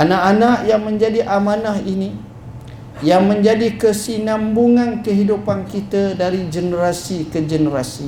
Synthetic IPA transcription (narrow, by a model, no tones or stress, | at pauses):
anaʔanaʔjaŋmə̃ɲd͡ʒadiʔamanahini | jaŋmə̃ɲd͡ʒadikəsinãmbuŋankəɦidupankit̪ədaɾid͡ʒənəɾasikəd͡ʒənəɾasi